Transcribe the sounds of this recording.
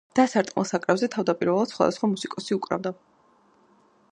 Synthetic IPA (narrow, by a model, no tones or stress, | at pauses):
d̪̥asaɾt̪ʼmɛ̰lˠsakʼɾɛvzɛt̪ʰavd̪apʼiɾvɛlˠad̪sχwa̰d̪asχwamusikʼɔsiukʼɾa̰vd̪a